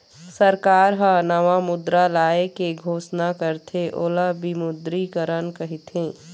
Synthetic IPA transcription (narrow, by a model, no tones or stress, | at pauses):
səɾkaːɾɦə̃nɐʋamʊd̪ɾalaːekeɡʱoːsnakəɾt̪ʰeʔoːlabimʊd̪ɾikəɾənkɐɦit̪ʰẽː